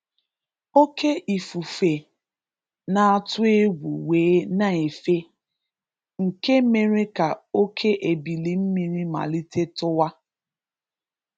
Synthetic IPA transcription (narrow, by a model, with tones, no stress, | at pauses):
o˦ke˦ʔi˨fu˨fe˨ | na˨a˨tʊ˦e˦ɡʷu˨weː˨˦na˨e˨fe˦ | ŋ̩˨ke˦me˨ɾe˦ka˨o˦kʰe˦ʔe˨bi˨li˨m̩˦mi˨ɾi˦ma̰˨li˦te˦tʊ˦wa˦